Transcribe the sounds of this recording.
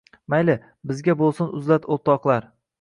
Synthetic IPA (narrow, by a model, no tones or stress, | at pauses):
majlɪ | bɪzɡʲabolˠsɪnʊzlat̪ʰot̪ɒqlˠaɾ